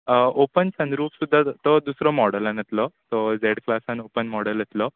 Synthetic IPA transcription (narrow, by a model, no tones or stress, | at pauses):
opənsə̃nɾuːpsud̪ʱːat̪ɔd̪usɾɔmɔɽəlanət̪lɔt̪ɔd͡zeɽklasanopənmɔɽələt̪lɔ